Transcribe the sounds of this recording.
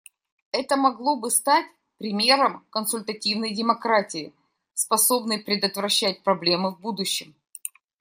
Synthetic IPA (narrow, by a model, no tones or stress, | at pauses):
ɛt̪əmɐɡlˠo̞bɨst̪atʲ | pɾʲɪmʲe̞ɾəmkənsʊlʲt̪ɐtʲivnəjdʲɪmɐkɾatʲɪɪ | spɐso̞bnəjpɾʲɪd̪ət̪vɾɐɕːæt̚ʲpɾɐblʲe̞mɨvbud̪ʊɕːɪm